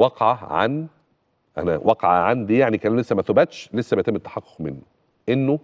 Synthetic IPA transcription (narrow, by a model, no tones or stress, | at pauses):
ɑqʕaʕa̰n | ʔæ̰næwʔɑqʕɑ̰ʕand̪ijaʕnikælæmlesːæmæθobæt̪ʃlesːæbejæt̪emːet̪ːɑ̥ħɑqːo̥qmḛnːu | ʔenːo